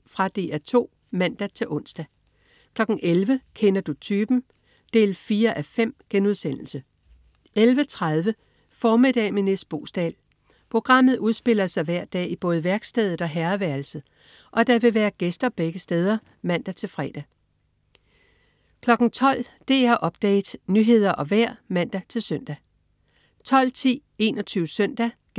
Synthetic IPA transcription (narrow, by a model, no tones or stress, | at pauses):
fʁɑ̈d̥e̝̰ːæt͡sʰo̝̰ː | mæn̰d̥æt͡sʰe̝lʔɔ̽n̰sd̥æ | kʰlɒ̽ɡ̥ŋ̩ʔelʋəkʰenɐd̥ut͡sʰyːb̥n̩ | d̥e̝̰ːlfiːɐʔæfem̰ɡ̥enuð̞ˠsen̰l̩sə | ʔelʋət͡sʰʁað̞ˠʋə | fɒːmid̥ɛ̰ːmenesd̥̚b̥o̝̰ːsd̥ɛ̰l | pʰʁo̝ɡ̥ʁɑ̈m̰ð̩ˠuð̞ˠsb̥e̝l̰ɐsɑ̈ɪʋæɐ̰d̥ɛ̰ːib̥ɔ̽ːð̩ˠʋæɐɡ̥sd̥eð̞̩ˠɒ̽ɦæɐʋæɐl̩sð̩ˠ | ʔɒ̽d̥ɑ̈ʋe̝ʋæːɐɡ̥esd̥ɐb̥eɡ̥əsd̥eːð̞ˠɐ | mæn̰d̥æt͡sʰe̝lfʁɛ̰ːd̥æ | kʰlɒ̽ɡ̥n̩t͡sʰɒ̽l̰ | d̥e̝æɐʔɒ̽b̥̚d̥ɛ̰ːd̥nyɦe̝ð̞̰ˠɐʔɒ̽ʋæɐ̰mæn̰d̥æt͡sʰe̝lsœn̰d̥æ | t͡sʰɒ̽l̰t͡sʰḭːe̝ːnɒt͡sʰyːʊəsœn̰d̥æ̥